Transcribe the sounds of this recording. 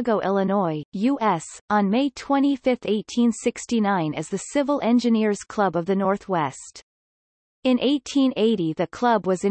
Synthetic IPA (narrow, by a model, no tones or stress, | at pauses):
ɡoʊʔɛlˠənɔɪjʉʔɛsn̩meɪtʰw̥ɛ̃ɾ̃ifɪfθeɪtʰĩnsɪkstinãɪ̃nɨ̰zðɨsɪvl̩ˠʔɛ̃nd͡ʒɨnɪɹz̥kʰl̥ʌbʌvðɨnɔɹθwɛst | ɨ̃nʔeɪtʰĩneɪɾiðɨkʰl̥ʌbwʌzɨ̃